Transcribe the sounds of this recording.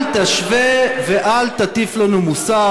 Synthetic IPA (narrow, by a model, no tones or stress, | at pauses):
lt̪aʃveveʔalt̪at̪iflanumusa